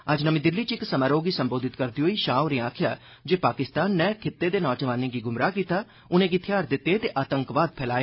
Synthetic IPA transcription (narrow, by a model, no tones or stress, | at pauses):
əd͡ʒnəmĩːd̪ɪlːiːt͡ʃɪksəmaːɾoːɡiːsəmboːd̪ɪt̪kəɾd̪iɦoːiːʃaːoɾeːaːkʰɪja̰ː | d͡ʒeːpaːkɪst̪aːnːɛːkʰɪt̪ːeːd̪eːnɔːd͡ʒəʋaːnẽːɡiːɡʊmɾaːkiːt̪aː | ʊnẽːɡit̪ʰɪjaːɾd̪ɪt̪ːeːt̪eːʔaːt̪əŋkʋaːd̪̚pʰɛːlaːeː